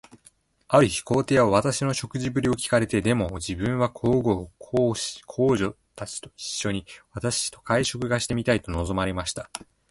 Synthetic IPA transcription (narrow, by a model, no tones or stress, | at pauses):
aɾɯ̟çi̥ko̞ːt̪e̞oβat̪aɕino̞ɕo̞kɯ̟ʑibɯ̟ɾʲio̞kʲi̥kaɾe̞t̪e̞d̪e̞mo̞d͡ʑibɯ̟̃ɰ̃βakʰo̞ːɡo̞kʰokʰo̞ːʑo̞ | t̪at͡ɕi̥t̪o̞̥i̥ɕːo̞ɲ̟iβat̪aɕi̥t̪o̞kaiɕo̞kɯ̟ɡaɕi̥t̪e̞mʲit̪ait̪o̞no̞zo̞maɾe̞maɕi̥t̪ḁ